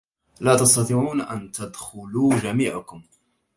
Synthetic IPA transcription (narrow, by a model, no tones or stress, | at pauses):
laːt̪ɑst̪ɑt̪ˤiːʕuːnʔa̰nt̪ad̪xʊluːʒamiːʕakʊm